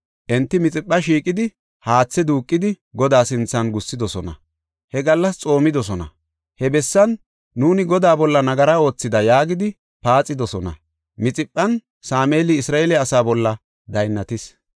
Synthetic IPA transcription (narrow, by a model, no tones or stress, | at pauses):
ʔɛnt̪ːɪmɪt͡sʼɪpʼːɐʃiːkʼːɪd̪ɪ | haːt͡sːɛd̪uːkʼːɪd̪ɪ | ɡɔd̪aːsɪnt͡sːɐnɡʊsːɪd̪ɔsɔnɐ̰ | hɛɡɐlːɐst͡sʼo̞ːmɪd̪ɔs̬ɔnɐ̰ | hɛbɛsːɐnː | uːnɪɡɔd̪aːbɔlːɐnɐɡɐɾao̞ːt͡sːɪd̪ɐjaːɡɪd̪ɪ | paːt͡sʼːɪd̪ɔsɔnɐ̰ | mɪt͡sʼɪpʼːɐn | saːmeːlɪɪsɾaːelɛɐsaːbɔlːɐ | d̪ɐjnːɐt̪ɪs